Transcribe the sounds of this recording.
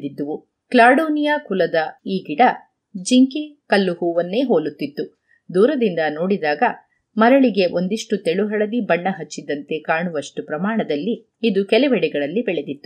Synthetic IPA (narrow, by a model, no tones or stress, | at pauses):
d̪id̪ːɐʋu | klaːɽuːnijaːkulɐd̪ɐiːɡiɽɐ | d͡ʒiŋkikɐlːuhuːʋɐnːe̞ːɦoːlut̪ːit̪ːu | d̪uːɾɐd̪ind̪ɐnoːɽid̪aːɡɐ | mɐɾɐɭiɡe̞ʔo̞nd̪iʂʈut̪ɛɭuɦɐɭɐd̪ibɐɳːɐɦɐt͡ʃːid̪ɐnt̪e̞kaːɳuʋɐʂʈupɾɐmaːɳɐd̪ɐlːiː | d̪ukɛlɛʋɛɽɛɡɐɭɐlːibɛɭe̞d̪it̪ːu